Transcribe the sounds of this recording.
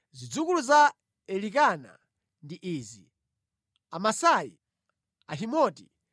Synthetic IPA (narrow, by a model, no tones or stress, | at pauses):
zid͡zukuluza | ɛlikana̰ | ndiʔiːzi | amasajḭ | aɦimɔti